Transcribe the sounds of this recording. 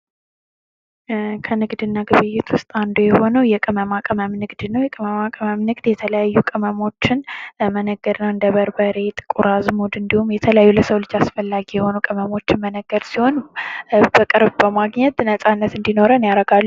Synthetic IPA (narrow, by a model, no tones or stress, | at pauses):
kʰənɨɡd̪ɨnːaɡɨβɨjːɪt̪ʰwʊst̪ʼand̪ojɛho̞nəwjɛkʼɨməmakʼɨməmnɨɡd̪nəwjɛkʼɨməmakʼɨməmnɨɡd̪jɛt̪ʰələjajːukʼɨməmo̞t͡ʃːɪnmənəɡːəɾnəwɨnd̪əβəɾbəɾe̞t̪ʼɨ̥kʼuɾazmud̪ɨnd̪ihumjɛt̪ʰələjajːuləsəwlɨd͡ʒasfəlːaɡijɛho̞nukʼɨməmo̞t͡ʃːɪnmənəɡːəɾsiho̞n | bəkʼɨɾbbəmaɡɲɛt̪nəsʼanːət̪ɨnd̪ino̞ɾənjaɾəɡalːu